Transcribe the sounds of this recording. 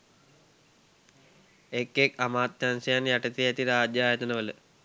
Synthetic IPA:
ekːekamaːt̪ːjansɐjanjaʈɐt̪iæt̪iɾaːd͡ʒjaːjɐt̪ənəʋələ

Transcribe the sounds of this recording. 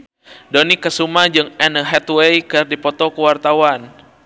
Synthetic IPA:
donikːəsumad͡ʒɨŋɛnəɦɛt̪wejkərdipɔt̪ɔkəwart̪awan

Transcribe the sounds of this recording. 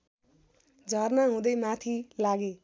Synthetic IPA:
d͡zʱʌrnaɦũd̪ʌjmat̪ʰilaɡe

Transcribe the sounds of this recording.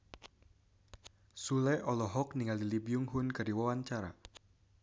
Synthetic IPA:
sulɛʔɔlɔɦɔk̚niŋalilibijuŋɦunkɨrdiwawaɲt͡ʃaɾa̰

